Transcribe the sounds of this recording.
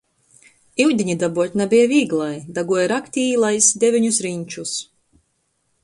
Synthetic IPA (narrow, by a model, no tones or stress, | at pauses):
iwd̪ʲiɲid̪abuɔt̪ʲnabiɛvʲiːɡlˠajd̪aɡuɔjɾakt̪ʲiːlˠajsd̪ʲevʲiɲusɾiɲʲt͡ʃus